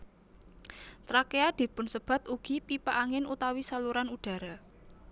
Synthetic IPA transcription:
t̪ɾakead̪̥i̤pʊnsəb̥a̤t̪uɡ̥ipipaʔaŋɪnut̪awisaluɾanuɖ̥ä̤ɾa

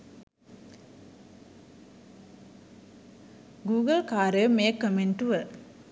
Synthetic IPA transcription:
ɡuːɡəlkaːɾəmeːkːəmeɳʈuʋə

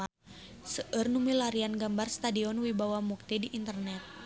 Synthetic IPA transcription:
səʔərnumilaɾianɡambarst̪adiɔnwibawamuk̚t̪idiʔːnt̪ərnɛt̪̚

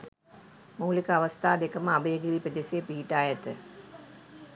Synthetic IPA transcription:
muːlikəaʋɐst̪aːd̪ekəməabəjəɡiɾipəd̪esijepiːiʈaːjət̪ə

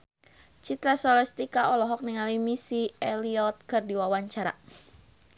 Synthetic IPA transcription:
t͡ʃit̪ɾasɔlɛst̪ikaʔɔlɔɦɔk̚niŋalimisiɛliɔt̪̚kɨrdiwawaɲt͡ʃaɾa̰

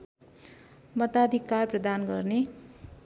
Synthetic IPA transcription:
mʌt̪ad̪ʱikːarprʌd̪anɡʌrne

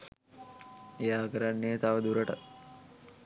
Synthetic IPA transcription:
ejaːkəɾanːejət̪aʋəd̪uɾəʈa

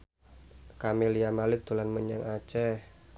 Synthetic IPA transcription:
kamiliamalɪk̚t̪ulanməɲəŋat͡ʃɛh

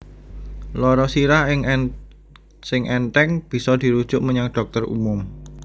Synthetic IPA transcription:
lɔɾɔsiɾahɪŋ | sɪŋʔɛnt̪ɛŋb̥i̤sɔd̪̥i̤ɾud̥ʒ̥ʊʔməɲaŋɖ̥ɔ̤k̚t̪ərṵmʊm

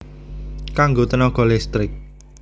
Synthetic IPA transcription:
kaŋɡot̪ənɔɡ̥ɔ̤lɛst̪ɾɪk̚

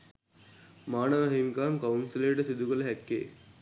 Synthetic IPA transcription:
maːnəʋɐɦimkaːŋkɐunsileːʈəsid̪ukələɦɛkːḛː

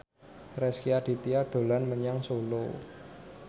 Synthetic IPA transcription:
rɛskiaɖ̪̥i̤t̪iad̪̥o̤lanməɲaŋsolo̰

